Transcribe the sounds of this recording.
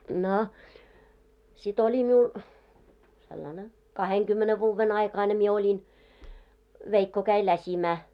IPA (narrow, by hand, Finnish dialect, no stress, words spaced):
no sit olʲi miul selːɑne kɑheŋkymːene ʋuːʋːen ɑikɑine mie olʲin ʋeikːo kæi læsʲimæː